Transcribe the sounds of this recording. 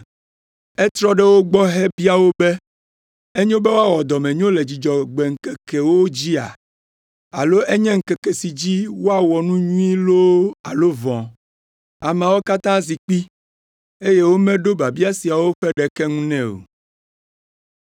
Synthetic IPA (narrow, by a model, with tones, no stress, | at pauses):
ɛ˦t̪ɾɔ˦ɖɛ˦wo˦ɡ͡bɔ˦ɦɛ˦bi˦a˨wo˦bɛ˦ | e˦ɲõ˦bɛ˦wo˦a˦wɔ˨d̪ɔ˨mɛ̃˨ɲõ˦le˨d͡ʑi˨d͡ʒɔ˨ɡ͡bɛ˨ŋ̩˨kɛ˨kɛ˨wo˦d͡ʑi˦a̰˨ | a˨lo˦ʔe˦ɲɛ̃˦ŋ̩˨kɛ˨kɛ˨si˨d͡ʑi˦wo˦a˦wɔ˨nũ˦ɲũ˦ĩ˦lo˦a˨lo˦vɔ̃˨ | a˨m˨a˨wo˦ka˦t̪ã˦zi˨k͡pi˦ | e˦je˦wo˦mɛ̃˦ɖo˦ba˨bi˦a˦si˨a˨wo˦ɸɛ˦ɖɛ˨kɛ˦ŋũ˦nɛ̃˦o̰˨